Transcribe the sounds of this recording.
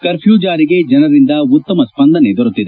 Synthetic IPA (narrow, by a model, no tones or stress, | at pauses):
kɐɾpʰjuːd͡ʒaːɾiɡe̞d͡ʒɐnɐɾind̪ɐut̪ːɐmɐspɐnd̪ɐned̪ɔɾut̪ːid̪e